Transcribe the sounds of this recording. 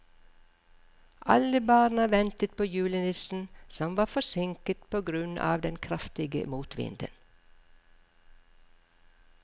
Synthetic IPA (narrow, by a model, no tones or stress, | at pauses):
ʔɑ̰ləbɑːɾnəʋɛnt̪ət̪̚pʰoːjʉːlənɪsn̩sɔmʋɑːfɔsɪŋkət̪pʰoːɡɾʉnʔɑ̰ːʋd̪ɛnkʰɾɑft̪ɪɡə̰muːt̪ʰʋɪ̰nd̪ə̰n